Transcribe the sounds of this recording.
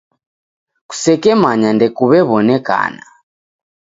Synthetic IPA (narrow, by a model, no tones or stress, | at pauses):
ku̥sɛkɛmaɲandɛkuβɛβɔnɛka̰na